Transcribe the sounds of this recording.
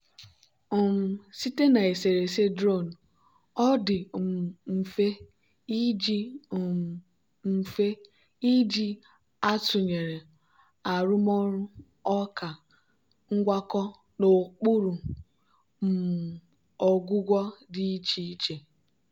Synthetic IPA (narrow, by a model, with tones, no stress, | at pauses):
ɔ˨m̩˨si˦te˦na˨e˨se˨ɾe˨se˦dɾo˦˨n̩˨ | ɔ˦dɪ˨m̩˨fe˦ | i˦d͡ʒi˦˨ | m̩˨fe˦ | i˦d͡ʒi˦ | a˦tʊ˨ɲe˨ɾe˨ | a˨ɾʊ˦mɔ˦ɾʊ˦ | ɔ˦ka˨ | ŋ̩˦ɡʷa˦kɔ˦ | no˨k͡pu˦ɾu˨ | m̩˨ | ɔ˨ɡʷʊ˦ɡʷɔ˦di˦i˦t͡ʃi˦i˦t͡ʃe˨